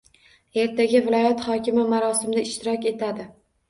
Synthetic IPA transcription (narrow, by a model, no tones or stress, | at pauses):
e̞ɾt̪ʰaɡʲɪvɪlˠɒjat̪hɒkʲʰɪmɪmaɾɒsɪmɪd̪aɪʃt̪ɪɾɒkʲe̞t̪ʰad̪ɪ